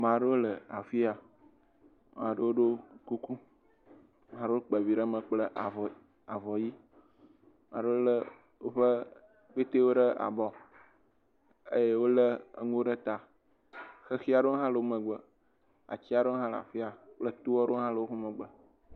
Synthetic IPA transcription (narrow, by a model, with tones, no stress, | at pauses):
mã˨ɖə˦wo˦lə˨a˨fi˦a˨ | mã˨ɖə˦wo˦ɖo˦ku˦ku˦ | mã˨ɖe˦wo˦k͡pə˨vi˨ɖə˦mə̃˨k͡plə˦ʔ | a˨vɔ˨ji˦ | mã˨ɖə˦wo˦lə˦ | wo˦ɸə˦ | k͡pe˦t̪e˦wo˦ɖə˦a̰˨bɔ˨ | ḛ˦je˦wo˦lə˦ə̰˨ŋu˦ɖə˦t̪a˨ | xə˦xi˦a˨ɖo˦ɦã˦lə˨wo˦mə̃˨ɡ͡bə˨ | a̰˨t͡ɕi˦a˨ɖe˦ɦã˦lə˨a̰˨fi˦a˨k͡plə˦t̪u˦wɔ˦ɖo˦ɦã˦lə˨wo˦xu˦mə˨ɡ͡bə˨